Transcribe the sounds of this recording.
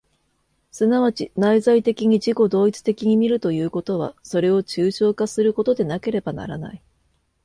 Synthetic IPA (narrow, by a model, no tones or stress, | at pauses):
sɨnaβ̞at͡ɕinaizait̪e̞kʲiɲ̟iʑiko̞d̪o̞ːit͡sɨ̥t̪e̞kʲiɲ̟imʲiɾɯ̟t̪o̞jɯ̟ːko̞t̪o̞β̞a̰so̞ɾe̞o̞t͡ɕɨːɕo̞ːkasɨɾɯ̟ko̞t̪o̞d̪e̞nake̞ɾe̞bana̰ɾa̰na̰i